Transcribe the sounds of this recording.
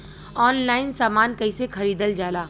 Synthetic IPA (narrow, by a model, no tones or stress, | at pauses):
ɔːnlaːɪnsaːmaːnkɐɪsexɐɾiːd̪əld͡ʒaːlaː